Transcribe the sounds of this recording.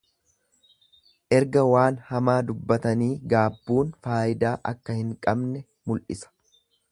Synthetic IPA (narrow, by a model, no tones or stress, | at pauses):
ʔɛɾɡɐwaːnhɐmaːd̪ʊbːɐt̪ɐniːɡaːbːuːnfaːʔɪd̪aːʔɐkːɐhɪŋkʼɐbnɛ | mʊlʔɪsɐ̥